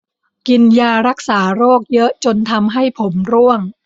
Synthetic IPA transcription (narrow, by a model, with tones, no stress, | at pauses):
ki˧njaː˧ɾa˦˥k̚saː˩˦ɾoː˥˩k̚jɤ˦˥ʔt͡ɕo˧nt̪ʰa˧mɦa˥˩jpʰo˩˦mɾu˥˩əŋ